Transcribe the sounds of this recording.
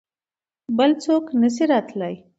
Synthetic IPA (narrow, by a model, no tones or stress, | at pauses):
bəlt͡soknəs̬iɾɑt̪ləj